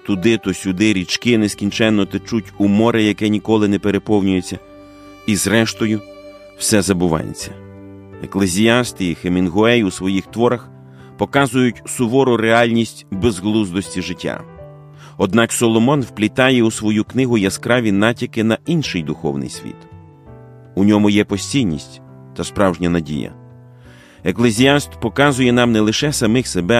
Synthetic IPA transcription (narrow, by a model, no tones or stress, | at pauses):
t̪ʊd̪ɪt̪ɔsʲʊd̪ɪɾʲit͡ʃkɪneskʲinʲt͡ʃɛnːɔt̪et͡ʃutʲumɔɾɪjɐkɛnʲikɔlˠɪnɛpeɾepɔwnʲʊjet͡sʲːɐ | izɾɛʃt̪ɔjʊ | w̥sɛzɐbʊʋɑ̰jḛt͡sʲːɐ | eklˠezʲiɑst̪ɪixemʲinɦʊɛjusʋɔjixt̪ʋɔɾɐx | pɔkɑzʊjʊtʲsʊʋɔɾʊɾeɑlʲnʲisʲtʲwbezɦlˠuzd̪ɔsʲtʲiʒɪtʲːa̰ | ɔd̪nɑksɔlˠɔmɔnwplʲit̪ɑjɛusʋɔjuknɪɦʊjɐskɾɑʋʲinɑtʲikɪnɐinʃɪjd̪ʊxɔ̰wnɪ̰jsʲʋʲḭt̪ | unʲɔmʊjɛpɔsʲtʲijnʲḭsʲtʲ | t̪ɐspɾɑwʒnʲɐnɐdʲḭjɐ̰ | eklˠezʲiast̪pɔkɑzʊjɛnɑmnɛlˠɪʃɛsɐmɪxsebɛ